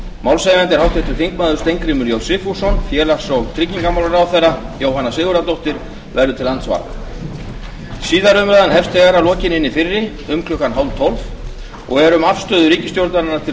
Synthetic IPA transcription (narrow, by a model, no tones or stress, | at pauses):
mawlsajmɛnt̪ɛɾ̥hawht̪ʰɛht̪ʏɾ̥fiŋkmaːðʏ̥ɾst̪ejŋkɾimʏɾjowsɪfusːɔnfjɛːlasɔɣt̪ʰɾɪcːiŋkamawlaɾawθejrajoːwhanːasɪːɣʏɾat̪owht̪ɪɾ̥ | vɛɾðʏt̪ʰɪlːant̪sva̰ɾk | siːðaɾʏmɾaðanɦɛfst̪ʰɛɣaɾalɔːcɪnɪnːɪfɪrːɪ | ʏmkʰlʏhkːanɦawnt̪ʰɔlv | ɔ̰ɣɛɾʏmafst̪œːðʏɾiːcɪst̪jowɾt̪aɾɪnːat̪ʰɪ